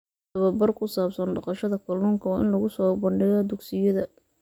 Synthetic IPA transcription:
ɐβɐbɐrkʰʊsaːbsɐnɖɑqɑʃɐðɐkʰɐluŋkʰɐwːʔɪ̰nlɐɣʊsɔːbɐɳɖɪɣɐd̪ʊɡsɪjɐðɐ

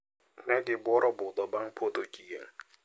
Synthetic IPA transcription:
nɛɡɪbɔɾɔbʊd̪ɔbaŋ̩pʰot̪ʼokʼiɡḛŋ̩

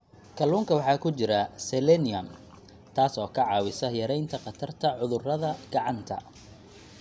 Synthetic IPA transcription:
kʰɐluːŋkʰɐwɑħɑːkʰʊt͡ʃɪɾɐsɛlɛnɪɐn | t̪ʰaːsɔːkʰɐʕɑːwɪsɐjɐɾɛjnt̪ʰɐqɑt̪ʰɐrt̪ʰɐʕʊðʊrɐðɐɡ̥ɑʕɑnt̪ʰɐ̰

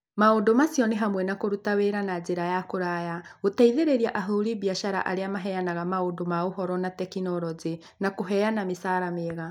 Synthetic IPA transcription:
maondomasjɔneɦamwɛnakoɾutaweɾanad͡ʑeɾajakoɾajaotaiðeɾeɾiaʔaɦoɾibiaʃaɾa̰ʔaɾeamaɦɛjanaɣamaondomaoɦɔɾɔnatɛkinɔɾɔze | nakoɦɛjanamesaːɾameɣa

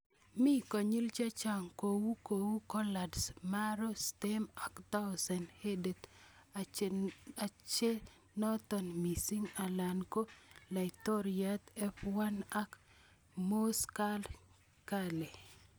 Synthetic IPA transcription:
mikɔɲilt͡ʃat͡ʃaŋkowukowukɔladsmaɾostemakt̪awsɛnhedet̪ | at͡ʃe | nɔt̪ɔnmisiŋalankolaɪtoɾiat̪ɛfwanak | moskal | kale

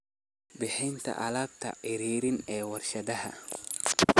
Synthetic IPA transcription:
bɪħɪnt̪ʰɐ̰ʔɐlaːb̚t̪ʰɐ̰ʕɪɾiːɾɪnɛːwɐrʃɐd̪ɐɦɐ̰

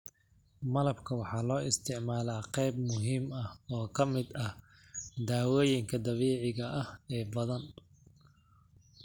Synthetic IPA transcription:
mɐlɐbkʰɐwɑħɑːlɔːʔɪst̪ʰɪʕmaːlaːqɛjbmʊɦiːmɐhɔːkʰɐmɪd̪ɐh | d̪aːwɔːjɪŋkʰɐd̪ɐβɛːʕɪɣɐʔɐhɛːbɐðɐn

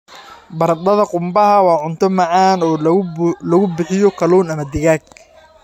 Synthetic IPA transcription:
bɐɾd̪ɐðɐqʊmbɐɦɐwɑːʕʊnt̪ʰɔmɑʕɑːnɔːlɐɣʊbɪħɪjɔkʰɐluːnɐmɐd̪ɪɣaːɡ̚

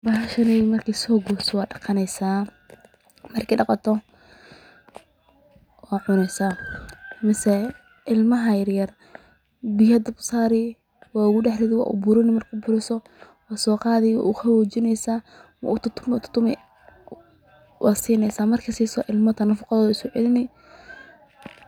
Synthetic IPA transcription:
bɐɦɐʃɐnɛjmɐrkʰisɔːɡuːsɔwɑːɖɑqɑnɛjsaː | mɐrkʰiːɖɑqɑt̪ʰɔ | wɑːʕʊnɛsa | mɪsɛ | ʔɪlmɐɦɐjɐɾjɐr | bɪjhɐd̪ɐbsaːɾɪ | wɑːʊɣʊɖɛħɾɪðɪwɑ̰ːʔʊ̰bʊɾɪnɪmɐrkʰʊbʊɾɪsɔ | wɑːsɔːqɑːðɛjwa̰ːʊxɐwoːt͡ʃɪnɛjsaː | mɐ̰ʊt̪ʰʊt̪ʰːʊmt̪ʰʊ̥t̪ːʊmɛ | wʔɑːsiːnɛjsaːmɐrkʰɐsiːsɔʔɪlmɐt̪ɐnɐfʊqɑðɔːðɪskʊʕɛlɪnɪ

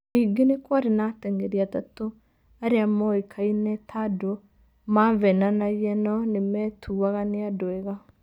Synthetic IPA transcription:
iɡenekwaɾenatɛŋɡɛɾiatato | aɾeamɔikʰainɛtʰado | mavɛnanajɛnɔnemɛtʰuaɣaneadoɛɣa

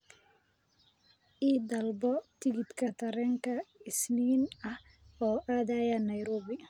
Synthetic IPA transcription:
ʔiːd̪ɐlbɔt̪ʰɪɣɪd̪kʰɐt̪ʰɐɾɛːŋkʰɐɪsniːnɐh | ɔːʔaːðaːjɐnɐjɾɔːβɪ

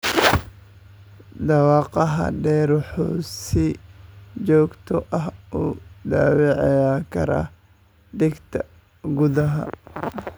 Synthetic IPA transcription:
d̪ɑwɑːqɑɦɐ̰ɖɛːɾħɔːsɪ | t͡ʃɔːɡt̪ʰɔʔɐɦʔud̪aːwɛʕɛjaːkʰɐɾa̰ | ɖɪɡt̪ʰɐ | ɡʊðɐɦɐ̰

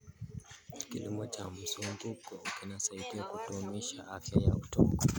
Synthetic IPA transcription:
kḭlimɔt͡ʃam̩sumbukɔkinasaidiakutumiʃaafjaja̰utɔ̰kɔ

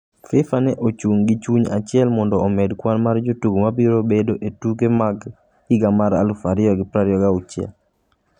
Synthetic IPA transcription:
fɪfanɛʔot͡ʃuŋɡit͡ʃuɲa̰t͡ʃɪɛlmɔndɔːmɛdkwanmard͡ʒotuɡomabiɾobedoʔetuɡemaɡ | ɪɡamaɾa̰lufaɾɪɔɡɪpɾaɾɪɔɡaut͡ʃɪɛ̰l

